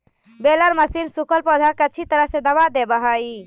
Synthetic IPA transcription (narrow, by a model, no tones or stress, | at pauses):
beləɾməsinsukəlpɔd̪ʱəkət͡ʃʰit̪əɾəɦsẽd̪əβad̪ebəɦəj